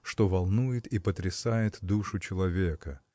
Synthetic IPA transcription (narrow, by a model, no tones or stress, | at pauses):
ʂt̪o̞vɐlˠnujɪt̪ipət̪ɾʲɪsajɪt̪d̪uʂʊt͡ɕɪlˠɐvʲekə